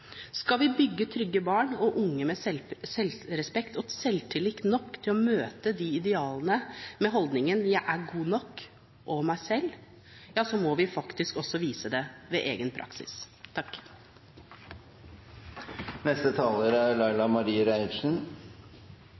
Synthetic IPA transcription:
skɑlʋɪbʏɡːət̪ʰɾʏɡːəbɑːɳɔʔʊŋːəmɛsɛlɾɛspɛkt̪ɔsɛlt̪ʰɪlɪknɔkːt̪ʰɪlɔmøːt̪əd̪iɪd̪ɛɑːlənəmɛɦɔld̪nɪŋənjæɪʔæɡuːnɔkː | ʔɔmæɪsɛlː | jɑːsɔmɔʋɪfɑkt̪ɪskɔsːɔʋiːsəd̪ɛʋeːʔeːɡənpʰɾʔɑ̰ksɪ̰st̪ʰɑkː | nɛst̪ət̪ʰɑːləɾæɾlɑɪlɑmɑɾiːəɾæɪʂn̩

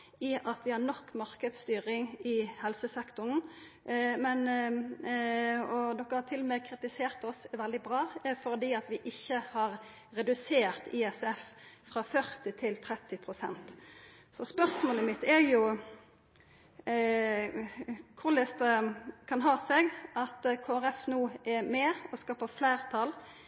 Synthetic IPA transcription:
ɪʔɑt̪ʋɪhɑnɔkːmɑʁkəd̪st̪yːʁɪŋɪhɛlsəsɛkt̪ʊn̩ | mɛn | ɔd̪ɔkːəhɑt̪ʰɪlːɔmɛkʰɾɪt̪ɪseːɾt̪ɔsʋɛld̪ɪbʁɑːfɔɾd̪iːɑt̪ʋɪʔɪçːəhɑɾ | ɾɛd̪ʉseːɾt̪ɪɛsɛffʁɑfœʁt̪ɪt̪ʰɪlt̪ʰɾɛt̪ːɪpʰɾʊsɛ̰nt̪ | sɔspœʁsmoːləmɪt̪ːɛɾjʊ | kʰʊɾlɛst̪əkʰɑnɦɑːsɛɡʔɑt̪kʰoːæɾɛfnuːɛɾmɛːɔskɑːpəfleːʁt̪ʰɑl

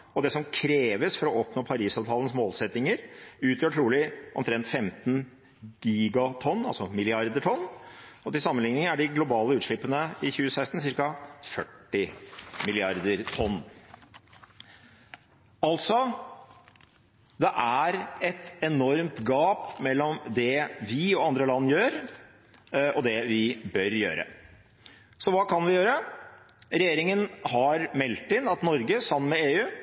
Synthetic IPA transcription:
ɔd̪ɛsɔmkʰɾeːʋəsfɔɾɔɔpnoːpʰɑɾiːsɑːʋt̪ʰɑːlən̩smoːlsɛt̪nɪŋəɾʉːt̪ʰjøːʈʰɾuːlɪʔɔ̰mt̪ʰɾɛnt̪fɛmt̪n | ɡ̥iːɡɑt̪ʰɔnːɑlsɔmɪlɪɑɾd̪əʈʰɔnːɔt̪ɪsɑmːənlɪŋnɪŋəæɖɪɡlʊbɑːləʉːt̪ʂɭɪpːənəɪçʉːəsæɪst̪n̩sɪɾkɑfœʈːɪmɪlɪɑɾd̪əɾt̪ʰɔnː | ɑlt̪sɔ | d̪ɛʔæɾɛt̪ɛnɔɾmt̪ɡɑːpmɛlːɔmd̪ɛʋɪɔɑnd̪ɾəlɑnːjøːɾ | ʔɔd̪ɛʋɪbœɾjø̰ːɾə̰ | sɔʋɑːkʰɑnʋɪjøːɾə | ɾɛjeːɾɪŋənhɑɾmɛlt̪ːɪnːɑt̪nɔɾɡəsɑmnmɛeːʉː

